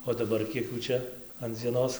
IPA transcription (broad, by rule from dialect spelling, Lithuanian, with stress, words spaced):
oː dɐˈbɐr ˈkʲiɛk ˈjuː ˈt͡ʃʲɛ ɐn d͡zʲiɛˈnoːs